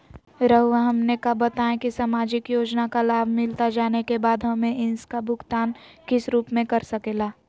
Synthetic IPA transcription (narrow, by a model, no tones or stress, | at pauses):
ɾɐɦuaɦɐmnekabɐt̪aːẽkisamaːd͡ʒɪkjoːd͡ʒnakalaːbʱmɪlt̪ad͡ʒaːnekebaːd̪ɦɐmẽʔɪnskabʱʊɡt̪aːnkɪsɾuːpmẽkɐɾsɐkeːlaː